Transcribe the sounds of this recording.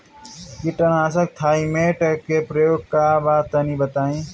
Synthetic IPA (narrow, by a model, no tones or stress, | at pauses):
kiʈənaːsək̚t̪ʰaːĩmeʈkepɾəjoːɡ̚kabat̪ːənibət̪aːĩ